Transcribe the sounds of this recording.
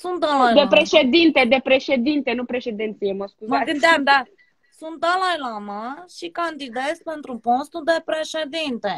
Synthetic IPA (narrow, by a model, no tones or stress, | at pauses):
sunt̪̚d̪alajd̪epɾeʃed̪int̪ed̪e̞pɾe̞ʃe̞d̪int̪enupɾe̞ʃe̞d̪ent̪sijeməskuzaɨd̪d̪a | sunt̪̚d̪alajlamaʃikand̪id̪et̪sʲpent̪ɾuponst̪uld̪e̞pɾeʃed̪int̪e